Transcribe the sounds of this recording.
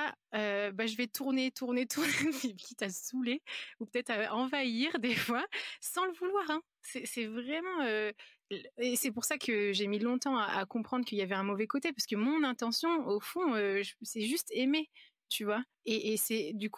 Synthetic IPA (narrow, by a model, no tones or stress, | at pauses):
aøbaʒəvɛt̪ʰuʁnet̪ʰuʁnet̪usipkʲit̪asuleupə̥t̪ɛt̪χaɑ̃vaiʁd̪efwasɑ̃ləvulwaːʁɛ̃ | sɛsɛvʁɛmɑ̃ø | esɛpuʁsakʰəʒemilɔ̃t̪ɑ̃aʔa̰kɔ̃pχɑ̃d̪ʁəkəiljavɛɛ̃mɔvɛkot̪epaʁsə̥kəmɔ̃nɛ̃t̪ɑ̃sjɔ̃ofɔ̃øʒəsɛʒyst̪eme | t̪yvwa | eʔːsɛd̪yk